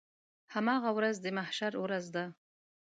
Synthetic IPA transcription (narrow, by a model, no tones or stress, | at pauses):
hamɑɣawɾazd̪əmahʃaɾwɾazd̪a